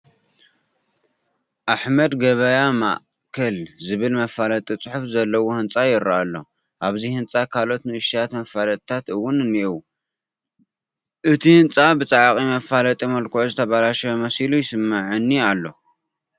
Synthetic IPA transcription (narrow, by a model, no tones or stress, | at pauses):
ʔaħmɐd̪ɡɐβɐjama̰ʔ | kʰɐlzɨβɨlmɐfalɐt̪ʼit͡sʼɨħufzɐlːɐwohɨnt͡sʼajɪɾaʔalːo̞̰ | ʔaβzihɨnt͡sʼakʰalo̞t̪nɨɨʃijat̪mɐfalɐt̪ʼt̪ʰat̪ɨwːʊnɨniʔw | ʔɨt̪ʰihɨnt͡sʼabɨt͡sʼaʕqʼimɐfːalɐt̪ʼimɐlkʰouzɨt̪ʰɐβalaʃɐjomɐsilujɪsɨmːaʕɨnːialːo̞